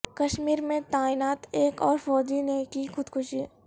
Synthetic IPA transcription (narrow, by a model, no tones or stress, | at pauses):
kɐʃmiːɾmẽt̪aːinaːt̪eːkɔːɾfɔːd͡ʒinekixʊd̪kʰʊʃi